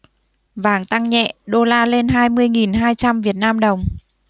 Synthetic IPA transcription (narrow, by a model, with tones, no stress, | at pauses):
vaː˨˩˦ŋt̪a˧ŋɲɛ̰˧˨ɗo˧laː˧le˧nɦaː˧jmɨ˧əjŋi˨˩nɦaː˧jt͡ɕa˧mvi˨˩ət̚naː˧mɗə˨˩wŋ͡m